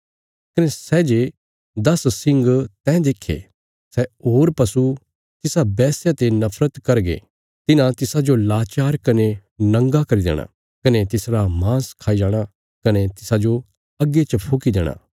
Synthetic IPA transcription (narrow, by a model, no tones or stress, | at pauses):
kɐnesɛd͡ʒe | d̪ɐssɪ̃ŋɡt̪ɛ̃ːd̪eːkʰːḛ | sɛɦoːɾpɐsu | t̪ɪsabɛːsjat̪enɐpʰɾət̪kɐɾɡḛ | t̪ɪnãt̪ɪsad͡ʒolaːt͡ʃaːɾkɐnenɐ̃ŋɡakɐɾid̪ḛːɽ̃a̰ | kɐnet̪ɪsɾamãːskʰaːid͡ʒaːɽ̃a | kɐnet̪ɪsad͡ʒo | ɐɡːet͡ʃəpʰoːkid̪ɛːɽ̃ã̰ː